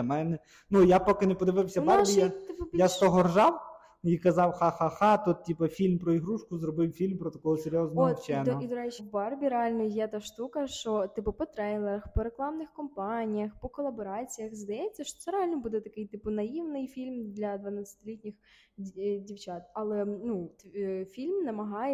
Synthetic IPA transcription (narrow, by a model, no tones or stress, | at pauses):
mɛnɛ | nujapɔkɪnepɔd̪ɪʋɪwsʲɐbarbʲijaɪpʊjasp̪ɔɦɔrʒɑw | ikɐzɑwxɑxaxɑt̪ɔt̪̚tʲipɐfʲilʲmpɾɔiɦɾuʃkʊzɾɔbɪwfʲilʲmpɾɔt̪ɐkɔɦɔseɾʲjɔznɔɔiwt͡ʃɛnɔɔɔid̪ɔɾɛt͡ʃibɑrbʲiɾeɑlʲnɔjɛt̪ɑʃt̪ukɐʃt͡ʃɔt̪ɪpʊpɔt̪ɾɛjlˠeɾɐxpɔɾeklˠɑmnɪxkɔmpɑnʲijɐxpɔkɔlˠɐbɔɾɑt͡sʲijɐxzd̪ɐjɛt͡sʲːɐʃt͡ʃɔt̪sɛɾeɑlʲnɔbud̪ɛt̪ɐkɪjt̪ɪpʊnɐjiwnɪjfʲilʲmd̪lʲɐd̪ʋɐnat͡sʲːɐ̥t̪ɪlʲitʲnʲɪx | dʲiwt͡ʃɑt̪ɐlˠɛnut̪fʲilʲmnɐmɐɦɑjɛ